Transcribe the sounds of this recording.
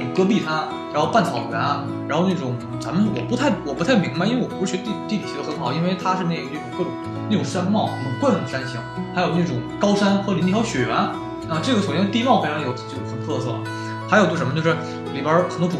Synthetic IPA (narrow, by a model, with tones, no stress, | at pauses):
kɤ˥p̬i˥˩t̪ʰa˥ | ɻa˧˥nxo˥˧ʊpa˥˩nt͡sʰɑ˨˩ʊɥɛ˧˥nɐ˥ | ɻa̰˧˥nxo˥˧ʊne˥˩ʈ͡ʂʊ˨˩˦ŋ | t͡sa̰˧˥mə˨nwɔ̰˨˩pu˧˥t̪ʰa˥˩ɪwɔ˨˩pu˧˥t̪ʰa˥˩ɪmi˧˥ŋba˧i˥e˥˩wɔ˨pu˧˥˩ɥɛ˧˥t̪i˥˩t̪i˥˩li˨˩i˧˥ə˧xə˧˥xɑ˥ʊi˥nwe˥˩ɪt̪ʰa˥ʂɻ̩˥˧ne˥˩ɡə˩ɤ˥˩ʈ͡ʂʊ˨˩ŋkɤ˥˩ʈ͡ʂʊ˨˩˦ | ne˥˩ʈ͡ʂʊ˨˩ŋʂa˥nmɑ˥˩ʊʊ˨˩kwə˥˩ə˩ə˩ʂa˥nɕi˧˥ŋxa˧˥jo˨˩ʊne˥˩ʈ͡ʂʊ˨˩ŋkɑ˥ʊʂa˥nxɤ˧˥li˧˥nt̪i˥˧˩jɑ˥ʊɕɥɛ˨˩ɥɛ˧˥n˥˩˧ | ʈ͡ʂɤ˥˩ɡə˩ʂt͡ɕj̪t̪i˥˧mɑ˥˩ʊfɪʈ͡ʂʰʊ˧˥t͡ɕjo˥˩˥ə˨˩nt̪ʰɤ˥˧sɤ̰˥˩ | xa˧˥o˨˩t̪wʂmə˧t͡ɕjo˥˧ʊʂɻ̩˥˩ | me˨˩pjə˞˧˥xə˨˩nt̪wʈ͡ʂu˧˩